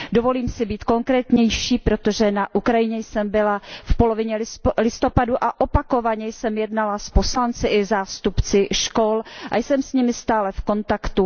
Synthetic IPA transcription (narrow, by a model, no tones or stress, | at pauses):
do̞vo̞liːmsɪbiːt̪ko̞ŋkɾɛːt̪ɲɛjʃiːpɾo̞t̪o̞ʒɛnaʔukɾajɪɲɛjsɛmbɪlafpo̞lovɪɲɛlɪlɪst̪o̞paduʔaʔopako̞vaɲɛjsɛmjɛdnalasposlant͡sɪʔɪzaːst̪upt͡sɪʃkolʔa̰jsɛmsɲɪmɪst̪aːlɛfko̞nt̪akt̪u